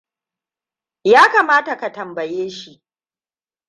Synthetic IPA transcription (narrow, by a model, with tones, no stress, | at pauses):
jaː˦kaː˨maː˦ta˨ka˨tɐ˨mbɐ˨jeː˦ʃi˦ʔ